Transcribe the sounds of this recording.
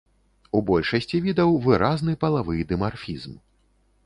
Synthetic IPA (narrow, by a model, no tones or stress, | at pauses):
ubɔlʲʂɐsʲt͡sʲivʲid̪ɐwvɨɾaznɨpɐlˠavɨd̪ɨmarfʲizm